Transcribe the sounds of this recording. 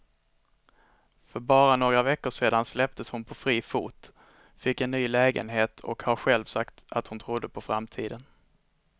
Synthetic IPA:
fœɾbɑːɾanoːɡɾavɛkːʊʂeːd̪anslɛp̚t̪əshʊnpʰɔfɾiːfṵːt̪ | fɪkːɛnːyːlɛːɡə̰nɦeːt̪ʰɔ̰khaɾɧɛlvsakt̪at̪hʊnt̪ʰɾʊd̪ːəpʰɔfɾamt̪ʰiːd̪ən

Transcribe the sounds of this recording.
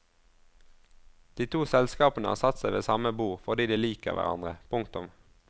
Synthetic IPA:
d̪̥iːt̪ʰuːsɛlskɑːpənəɑːsɑt̪sæɪʋeːsɑməbuːʁfɔʁd̪iːd̪iːliːkə̰ʁʋæ̰ʁɑ̰nd̪ʁəpʰʊŋkt̪ʊm

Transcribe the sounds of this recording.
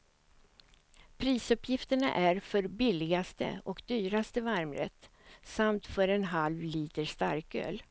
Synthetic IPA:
pʰɾiːsɵpjɪft̪əɳa̰ʔæɾfœɾbɪlːɪɡast̪ə̰ɔkd̪yːɾast̪əvaɾmɾɛ̰t̪ː | samt̪fœɾɛnɦalvliːt̪əʂt̪a̰ɾkø̰ːl

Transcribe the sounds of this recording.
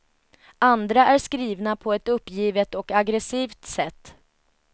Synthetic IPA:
and̪ɾaʔæɾʂkɾiːvnapʰɔɛt̪ɵpːjiːvət̪ɔkaɡɾɛsiːvt̪sɛt̪ː

